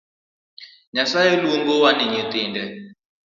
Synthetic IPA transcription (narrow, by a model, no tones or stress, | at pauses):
ɲasajeluŋɡowanɪɲet̪ɪndɛ